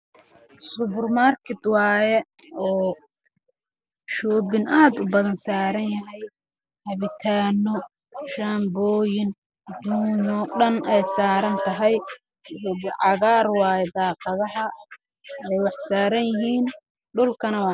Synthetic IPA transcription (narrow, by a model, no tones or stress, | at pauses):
sʊβʊrmaːrkʰɛt̪wɑːjɛ | ɔː | ʃɔːβɪnʔaːd̪ʊbɐðɐnsaːɾɐnjɐɦɛj | hɐβɪt̪ʰaːnɔ | ʃaːmbɔːjɪn | d̪uːnɔɗɐnɛjsaːɾɐnt̪ʰɐɦɛj | ʊbɪʕɑɣaːrwɑːjɛd̪aːqɑðɐɦɐ | ɛjwɑħsaːɾɐnjɪɦiːn | ɖʊlkʰɐnɐwɑː